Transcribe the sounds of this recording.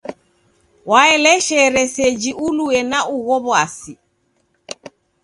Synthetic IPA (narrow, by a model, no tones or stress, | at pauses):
waɛlɛʃɛɾɛsɛd͡ʒiʔuluɛnaʔuɣɔβwasi